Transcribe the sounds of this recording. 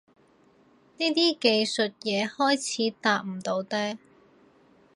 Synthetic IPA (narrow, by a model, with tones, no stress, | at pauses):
niː˥t̪iː˥ke˧jsɵ˨t̚jɛː˨˧hɔː˥jt͡sʰiː˨˧t̪aː˨˧k̚m̩˨˩t̪o˧wt̪ɛː˥